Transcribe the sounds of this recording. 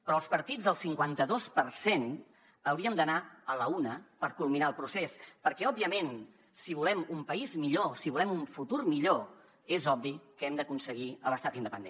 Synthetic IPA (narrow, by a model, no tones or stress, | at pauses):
pɾɔəlˠspəɾt̪id͡zðəlˠsiŋkwant̪əðospəɾsen | əwɾiəmd̪ənaələunəpəɾkulˠminaəlˠpɾusespəɾkɛɔbiəmen | siβulɛmumpəizmiʎosiβulɛmuɱfut̪urmiʎo | ezɔbbikəɛmd̪əkunsəɣ̞iələst̪at̪ind̪əpənd̪ḛ